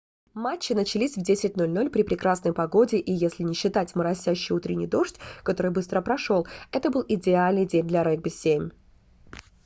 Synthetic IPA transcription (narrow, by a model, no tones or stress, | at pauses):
mat͡ɕːɪnət͡ɕɪlʲisʲvdʲesʲɪt̚ʲno̞lʲno̞lʲpɾʲɪpɾʲɪkɾasnəjpɐɡo̞dʲɪʔijesʲlʲɪnʲɪɕːɪt̪atʲməɾɐsʲːæɕːɪjut̪ɾʲɪnʲɪjd̪o̞ʂtʲkɐt̪o̞ɾɨjbɨst̪ɾəpɾɐʂo̞lˠɛt̪əbɨlˠɪdʲɪalʲnɨjdʲenʲd̪lʲɐɾɛɡ̚bʲɪsʲːemʲ